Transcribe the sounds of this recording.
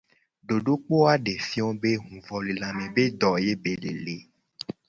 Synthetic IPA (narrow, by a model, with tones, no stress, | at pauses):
ɖo˨ɖo˦k͡po˦a˦ɖe˨fi˦ɔ̃˦be˦ɦũ˨vɔ˨li˨lã˨mẽ˨be˦d̪ɔ˨je˦be˨le˨le˨˦